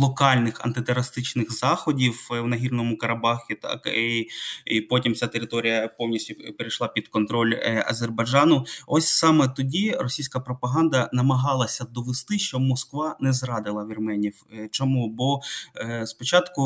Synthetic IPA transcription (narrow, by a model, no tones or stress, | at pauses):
lˠɔkɑlʲnɪxɐ̰nt̪ɪt̪eɾɐst̪ɪt͡ʃnɪxzɑxɔdʲiwwnɐɦʲirnɔmʊkɐɾɐbɑxʲɪt̪kiipɔtʲimt͡sʲat̪eɾɪt̪ɔɾʲijɐpɔwnʲisʲtʲʊpeɾejʃlˠɑpʲid̪kɔnt̪ɾɔlʲɐ̰zʲerbɐd͡ʒɑnʊɔsʲsɑmɛt̪ɔdʲirɔsʲijsʲkɐpɾɔpɐɦɑnd̪ɐnɐmɐɦɑlˠɐsʲɐd̪ɔʋest̪ɪʃt͡ʃɔmɔskʋɑnɛzrɑd̪ɪlˠɐʋʲirmɛnʲiwt͡ʃɔmubɔ | spɔt͡ʃɑt̪kʊ